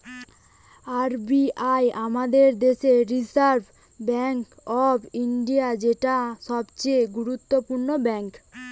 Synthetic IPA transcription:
aɾbiʔajʔamad̪eɾd̪eʃeɾisaɾbʱ | bɛŋk | ɔbiɳɖijad͡ʑeʈaʃɔbt͡ɕejɡuɾut̪ːopuɾnobɛŋk

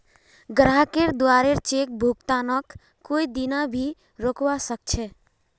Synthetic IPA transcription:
ɡɾakeɾd̪oaɾeɾt͡ʃek̚bʱuɡt̪anəkː | oid̪inabʱi | ɾokwasək̚t͡ʃʰɛ

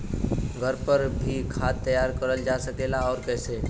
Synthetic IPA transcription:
ɡʱəɾpəɾbʱikʰaːt̪ːəjaːɾkəɾəld͡ʒaːsəkeːlaɔːɾkɛːseː

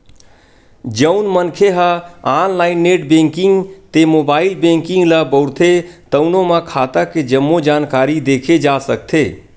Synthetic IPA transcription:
d͡ʒəʊnmənkʰeɦəaːnlaːɪnːeʈbẽŋkiŋɡt̪emobaːilbẽŋkiŋɡləbəʊɾt̪ʰet̪ənomə̃kʰaːt̪əked͡ʒəmːod͡ʒaːnkaːɾid̪ekʰed͡ʒasəkt̪ʰe

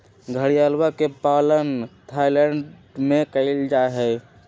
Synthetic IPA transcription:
ɡʱəɽijalwakepaːlənt̪ʰaːilɛ̃ɳɖ | mekəɪld͡ʒaeɦɛ

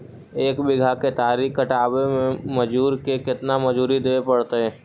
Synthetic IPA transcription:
eːkbɪɡʱaket̪aːɾiːkkːəʈaːbemẽmɐd͡ʒuːɾkekɪt̪namɐd͡ʒuːɾid̪eːepɐɽt̪eɦɛ̃ː

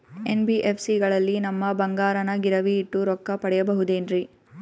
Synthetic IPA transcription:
enbiʔepʰsiɡɐɭɐlːinɐmːɐbɐŋɡaːɾɐnɐɡiɾɐʋiːʈːuɾɔkːɐpɐɽɛjɐbɐɦud̪eːnɾi

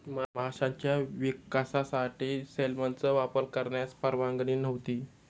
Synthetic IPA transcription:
mmʱaʂãɲt͡ɕjaʋikasasaʈʰiːselmənt͡səʋapəɾkəɾɳjat͡spəɾʋãŋɡɳiːnəʋt̪iː

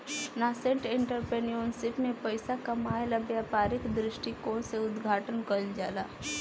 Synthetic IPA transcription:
naːsẽʈɪ̃ɳʈəɾpɾeːnijonsɪpmẽpəɪsakɐmaːjlabjaːpaːɾɪkd̪ɾɪʃʈikoːseʊd̪ɡʱaːʈənkəld͡ʒaːlaː

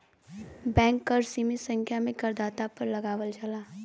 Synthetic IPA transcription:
bɛ̃ːŋkːəɾsimisə̃ŋkʰjamẽkɐɾd̪aːt̪apɐɾlɐɡaːʋəld͡ʒalaː

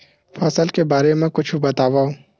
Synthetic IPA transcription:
fɐsəlkebaːɾemẽkʊt͡ʃʰubɐt̪aːʋao

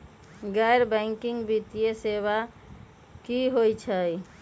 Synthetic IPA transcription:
ɡajɾbɛ̃ŋkiŋɡbit̪ijeseβa | kiɦojt͡ʃʰə

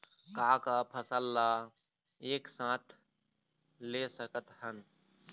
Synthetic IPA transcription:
kaːkaːpʰəsəlːaː | eːksãːt̪ʰ | leːsəkət̪hən

